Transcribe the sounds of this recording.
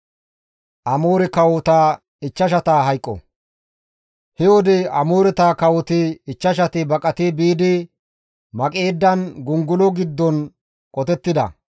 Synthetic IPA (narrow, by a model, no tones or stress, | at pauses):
ʔɐmoːɾɛkɐwɔt̪aː | ɪt͡ʃːɐʃ̬ɐt̪aːɦɐjkʼːɔ̰ | hɛwɔd̪ɛɐmoːɾɛt̪aːkɐwɔt̪ɪɪt͡ʃːɐʃ̬ɐt̪ɪbɐkʼɐt̪ɪbiːd̪ɪ | mɐkʼe̞ːd̪ːɐnɡʊŋɡʊlɔɡɪd̪ːɔn | kʼɔt̪ɛt̪ːɪd̪ɐ̰